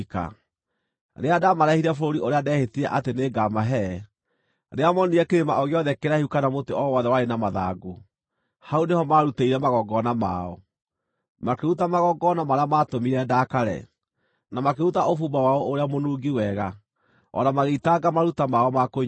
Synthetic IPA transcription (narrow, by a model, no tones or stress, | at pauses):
ka̰ | ɾeadamaɾɛhiɾɛfoɾoɾiʔoɾeadɛhetiɛʔateneːɡamaɦɛ | ɾeamɔniɛkeɾemaʔɔɣeɔðɛkeɾahiukanamoteɔwɔðɛwaɾenamaða̰ɡu | haunehɔmaɾuteiɾɛmaɣɔɡɔnama̰ɔ | makeɾutamaɣɔɡɔnamaɾeamatomiɾɛdakaɾɛ̰ | namakeɾutaʔofubawaɔoɾeamonuːɡiwɛɣa | ɔ̰namaɣeitaɡamaɾutamaɔmako